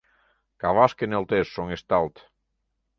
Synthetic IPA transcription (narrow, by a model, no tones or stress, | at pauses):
kaβaskenelˠt̪essoŋest̪alˠt̪